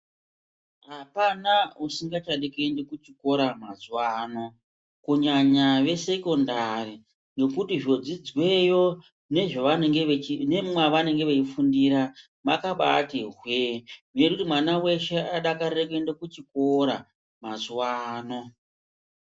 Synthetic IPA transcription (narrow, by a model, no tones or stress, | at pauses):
ɦapanausiŋɡat͡ʃaɗekendekut͡ʃiko̞ɾamazuwaːno̞ | kuɲaɲaʋe̞se̞ko̞ndari | no̞kutiʐo̞d͡zid͡zwejo | ne̞ʐoʋanɡeet͡ʃine̞mmwaʋane̞ŋɡe̞ʋet͡ʃifundiɾa | makaɓa̰tiɦweujekutimwanawe̞ʃe̞aɗakaɾekendekut͡ʃikoɾa̰ | mazwaːno̞